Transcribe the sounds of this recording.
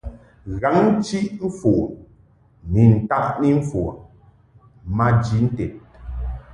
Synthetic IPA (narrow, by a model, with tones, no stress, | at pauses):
ɣa˨˦ŋ˦t͡ʃi˦ɱ̩˦fo˨ʔ | ni˨n̩˨ta˦ʔni˦ɱ̩˦fo˨ | ma˦d͡ʒi˨˦n̩˦tɛ˨t̚